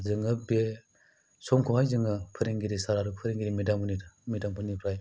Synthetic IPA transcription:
zɯŋɯbe | sɔŋkʰoɦajzɯŋɯpʰɯɾiŋɡiɾisaɾaɾupʰɯɾiŋɡiɾimidamunimidampʰɯnipʰɾaj

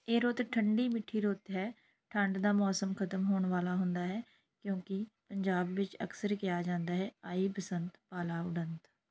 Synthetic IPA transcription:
eːɾoːt̪ʈʰəɳɖiːmɪʈʰːiːɾoːt̪ɦɛː | ʈʰəɳɖd̪aːmɔːsəmkʰət̪əmɦoːɳʋaːlaːɦʊ̃nd̪aːɦɛː | kjõːkɪpəɲd͡ʒaːbːɪt͡ʃə̰ksəɾkɪjaːd͡ʒãːnd̪aːɦɛːaːiːpəsənt̪paːlaːʊɖənt̪

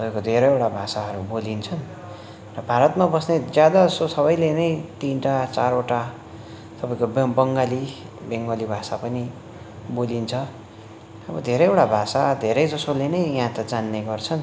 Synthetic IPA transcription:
t̪ʌpaj̃kod̪ʱeɾʌjewʈabʱasaɦʌɾubolint͡sʰʌn | rʌbʱaɾʌt̪mabʌsned͡zjad̪asosʌβʌjlenʌjt̪inʈat͡saɾoʈa | t̪ʌpaĩkobbʌŋɡali | beŋɡʌlibʱasapʌni | bolint͡sʰʌ | ʌbʌd̪ʱeɾʌjewʈabʱasad̪ʱeɾʌjd͡zʌsolenʌjɦãt̪ʌd͡zanːeɡʌrt͡sʰʌn

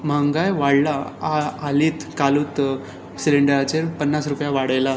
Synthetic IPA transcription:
m̤aŋɡajʋaɽlaaːliːt̪kaluːt̪ | sileɳɖəɾat͡ɕeɾpənːasɾupjaʋaɽajla

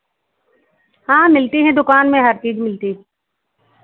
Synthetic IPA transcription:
hãːmɪlt̪iɦɛ̃d̪ʊkaːnmẽɦɐɾkiːd͡ʒmɪlt̪iɦ

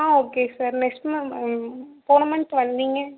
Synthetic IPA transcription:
aːoːkeːsaːɾnɛksʈmɐ | poːnɐmɐɳʈʋɐnd̪iŋɡɐ

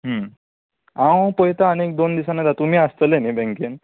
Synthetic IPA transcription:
ɦə | ãwpɔɦjt̪aənek̚d̪ond̪isanad̪at̪um̤iːəst̪əlenibɛ̃ŋken

